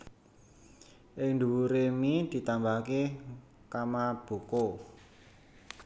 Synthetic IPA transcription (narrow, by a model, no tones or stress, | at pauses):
ʔɪŋnd̪uwuɾemid̪̥i̤t̪ambake | kamab̥o̤ko